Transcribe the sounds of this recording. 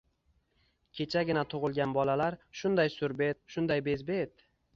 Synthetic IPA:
kʲʰe̞t͡ʃʰaɡʲɪnat̪ʰʊʁɨlˠɡʲanbɒlalaɾʃʊnd̪ajsʊɾbe̞t̪̚ʃʊnd̪ajbe̞zbet̪

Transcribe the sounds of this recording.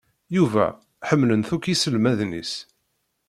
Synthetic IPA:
juvæ̰ | ħəmːlənθukisəlmæðnḭs

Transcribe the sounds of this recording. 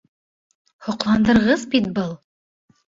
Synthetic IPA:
hŏqlˠɑnd̪ɤ̆ɾʁɤzbit̪̚bɤlˠ

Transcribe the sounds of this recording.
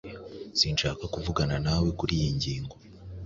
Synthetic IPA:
z̥inʃaːkakuvuɡananawe̞kuɾijiɲɟiːŋɡo

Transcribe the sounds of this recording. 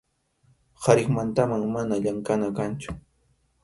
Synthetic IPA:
haɾɪχmant̪amaŋmanaʎaŋkanakant͡ʃʊ̥

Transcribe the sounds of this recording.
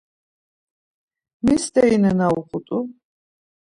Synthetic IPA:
misd̪ɛinɛnauχut̪ʼu

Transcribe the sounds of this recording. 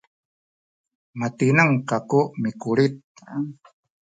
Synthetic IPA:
mat̪inəŋkakuʔmikulit̪̚

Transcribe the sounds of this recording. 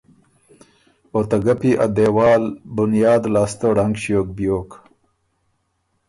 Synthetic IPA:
ot̪ɐɡapiʔad̪eːwaːlbunjɑːd̪laːst̪oɖaŋɡɕjoːk̚bijoːk

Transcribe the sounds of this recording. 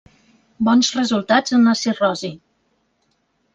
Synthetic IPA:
bɔnzrəzulˠt̪ad͡zənləsirɔzi

